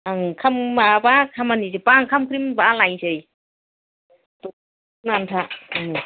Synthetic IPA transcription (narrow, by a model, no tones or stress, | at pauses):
aŋkʰambabakʰamanizepaŋkʰamkʰɾimbalajsɯj | tɔ | nantʰaaŋ